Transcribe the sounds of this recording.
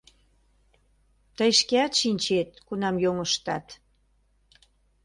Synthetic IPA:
t̪əjʃkeɑt̪ʃinʲt͡ɕet̪̚kunɑmjoŋəʃt̪ɑt̪

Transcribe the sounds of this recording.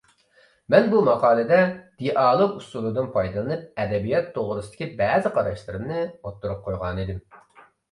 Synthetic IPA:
mɛnbumɑqʰɑːlˠɨd̪ɛd̪̥eʔɑːlˠɨqusulˠud̪ɨnpʰɑjd̪ɨlˠɨnɨp̚ɛd̪ɛbijɑt̪ʰːoʁɾʊsɨd̪ɪ̥kʲʰibæːzɪqʰɑɾɑʃlˠɨɾɨmnɨot̪ːuɾup̚qʰojʁɑnid̪ɪm

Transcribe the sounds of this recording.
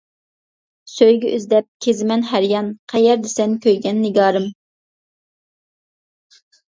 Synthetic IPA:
søjɡʲɛʔøzd̪ɛp̚kʲʰezɪmɛnɦæɾjɑnqʰæjɛɾd̪ɪsɛnkʲʰøjɡʲɛnːɪɡɑːɾɨm

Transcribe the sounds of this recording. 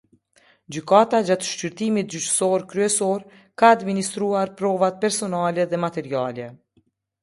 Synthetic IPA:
d͡ʑykat̪ad͡ʑat̪ʃt͡ʃyɾt̪imit̪̚d͡ʑyt͡ʃsɔɾkɾyɛsɔɾ | kaːd̪minist̪ɾuaɾpɾɔvat̪̚pɛɾsɔnalɛðɛmat̪ɛɾialɛ

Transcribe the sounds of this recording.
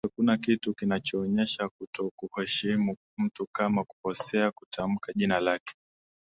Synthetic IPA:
akunakitukinat͡ʃɔːɲɛʃakutɔkuhɛʃimu | m̩tukamaku̥pɔsɛakutʰam̩kaʄinalakɛ̥

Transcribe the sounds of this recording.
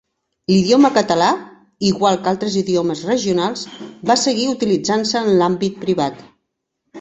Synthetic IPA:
liðioməkət̪əla | iɣwalˠkalˠt̪ɾəziðioməzrəʒiunalˠzβasəɣiut̪ilid͡zansəːnlambit̪̚pɾiβat̪

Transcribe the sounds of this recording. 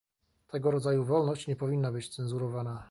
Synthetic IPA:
t̪ʰɛɡɔɾɔd̪zajuvɔlnɔɕt͡ɕɲɛpɔvʲinːabɘt͡ɕt̪sɛnzuɾɔvana

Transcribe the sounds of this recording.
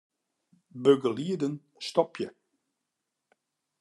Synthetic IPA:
bøɡəliədən | stɔpʰjə

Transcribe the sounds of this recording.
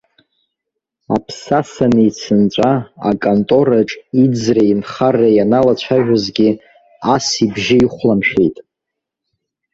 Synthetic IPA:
a̰pʰsasanit͡sʰɨnt͡ʃʷʼaa̰kʼontʼo̞ɾaʈ͡ʂʼid͡zrainχarajanalat͡ɕʷʰaʒᶣazɡʲi | asibʒɪiχʷlamʃᶣe̞jtʼ

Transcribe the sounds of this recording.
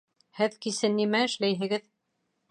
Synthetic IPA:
hɘðkisɘnːimæɘ̆ʃlæjɦɘ̆ɡɘð

